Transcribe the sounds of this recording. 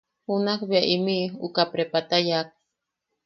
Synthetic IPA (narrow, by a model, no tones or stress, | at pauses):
hunakbaʔimiṵkapɾepat̪ajak̚